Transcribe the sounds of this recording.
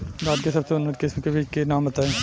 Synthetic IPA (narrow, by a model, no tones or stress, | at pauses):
baːd̪kesɐbseʊnːəɾkɪsmkebiːt͡ʃkenaːmbɐt̪aːẽː